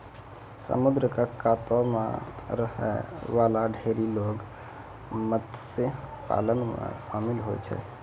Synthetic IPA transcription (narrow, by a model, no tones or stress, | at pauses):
sə̰mud̪ɾəkəkat̪ɔmḛɾəɦɛ̰ʋalaɖʱeɾiloɡ | mət̪sepa̰lənmḛsamilɦot͡ʃʰɛ̰